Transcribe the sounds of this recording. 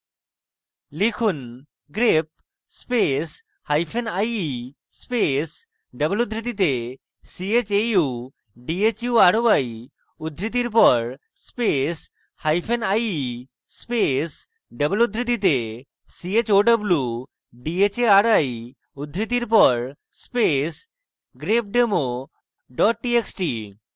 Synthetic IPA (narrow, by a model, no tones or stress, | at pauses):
likʰun | ɡɾep̚ | spes | hajpʰenaji | spes | ɖəbolud̪ʱɾit̪ːit̪e | siet͡ɕeu | ɖiet͡ɕjuaɾoaj | ud̪ʱɾit̪̬iɾp̬ɔɾ | spes | hajpʰenaji | spes | ɖəbəlud̪ʱɾit̪it̪e | siet͡ɕoɖəblju | ɖiet͡ɕeaɾaj | ud̪ʱɾit̪iɾp̬ɔɾ | spes | ɡɾep̚ɖemo | ɖɔʈ̚ʈieksʈi